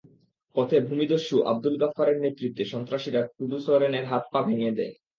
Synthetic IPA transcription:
pɔt̪ʰebʱumid̪oʃːuʔa̰b̚d̪ulɡafːaɾeɾnet̪ːɾit̪ːeʃɔnt̪ɾaʃiɾak̪ɾud̪usoɾeneɾɦat̪̚pabʱeŋed̪ɛ̰e

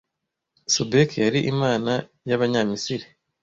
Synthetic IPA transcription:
subekjaɾiʔimaːna | jaβaɲamisiɾi

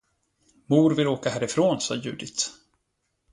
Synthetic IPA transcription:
muːɾvɪloːkahæːɾɪfɾoːnsɑ̰ːjʉ̟ːd̪ɪt̪

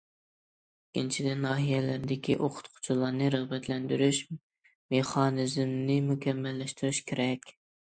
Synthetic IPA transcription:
iint͡ʃʰid̪ɪnɑːɦijɛlæɾd̪ɪkʲiʔoqʰʊ̥t̪qʰʊ̥t͡ʃʰulˠɑɾnɨɾəʁbɛt̪ʰlɛnd̪yɾyʃ | meχɑːnɨzmnɪmukʲʰɛmːɛlːɛʃt̪yɾyʃkʲʰeɾɛkʲ

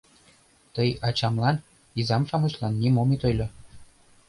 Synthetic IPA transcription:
t̪ɤjɑt͡ɕɑmlˠɑn | izɑmʃɑmɤ̆ɕlˠɑnːʲimomʲit̪ɤ̆jlʲɤ̆

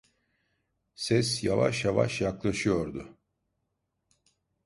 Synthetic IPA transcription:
sɛsjava̰ʃjava̰ʃjaklˠaʃɯjo̞ɾd̪ʊ

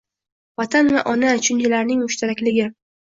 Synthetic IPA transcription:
vɒt̪ʰanvaʔɒnat͡ʃʰʊnt͡ʃʰalaɾnɪŋmʊʃt̪ʰaɾakʲlɪɡʲɪ

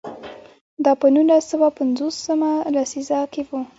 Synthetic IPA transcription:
d̪ɑpənulasːəwapanzosəmalasizakewu

